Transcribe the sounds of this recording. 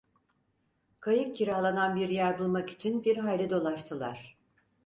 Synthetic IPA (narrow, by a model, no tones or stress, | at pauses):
kʰajɯk̚cʰiɾahlˠananbiɾjæɾbulˠmaki̥t͡ʃʰinbiɾɦalʲːɛd̪o̞lˠaʃt̪ʰɯlˠa̰ɾ̝̥